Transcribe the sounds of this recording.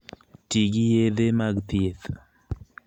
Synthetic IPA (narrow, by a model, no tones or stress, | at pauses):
tiɡijeðemaɡt̪ʰiet̪